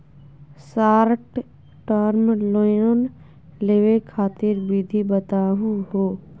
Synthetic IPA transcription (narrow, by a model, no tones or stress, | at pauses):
saːɾʈ | ʈəɾmlojon | leːʋekʰaːt̪ɪɾbid̪ʱibət̪aːɦũɦoː